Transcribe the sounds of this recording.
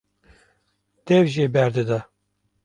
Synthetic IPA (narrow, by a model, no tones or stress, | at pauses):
d̪̥ɛvʒebɛɾd̪ɨd̪ɑ